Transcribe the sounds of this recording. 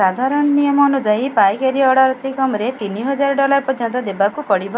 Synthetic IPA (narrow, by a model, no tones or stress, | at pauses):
ad̪ʱaɾɔnɔnijɔmɔːnud͡ʒaipajkaɾiɔɽaɾɔt̪ikɔmɾet̪iniɦɔd͡ʒaɾɔɖɔlaɾpɔɾjɔnt̪ɔd̪ebakupɔɽibɔ